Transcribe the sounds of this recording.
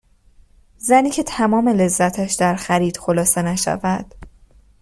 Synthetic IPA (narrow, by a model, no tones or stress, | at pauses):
zæniːcʰe̞t̪ʰæmɒːme̞le̞zːæt̪ʰæʃd̪æɾxæɾiːd̪̥xo̞lɒːse̞næʃæ̰væd̪̥